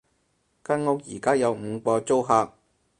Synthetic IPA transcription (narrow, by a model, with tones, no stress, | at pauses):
kɐ˥nŋo˥k̚jiː˨˩kaː˥jɐ˨˧wm̩˨˧kʷɔː˧t͡so˥wɦaː˧k̚